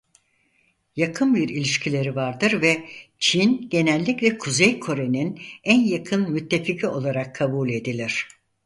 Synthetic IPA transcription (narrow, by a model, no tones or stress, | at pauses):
jakʰɯnbiɾilʲiʃcʰilʲe̞ɾivaɾd̪ɯɾvɛt͡ʃʰinɟe̞nælʲːiclʲɛkʰuzejkʰo̞ɾe̞ninænjakʰɯnmyt̪ʰːe̞ficʰio̞lˠaɾakʰːabulʲe̞d̪ilʲiɾ̝̥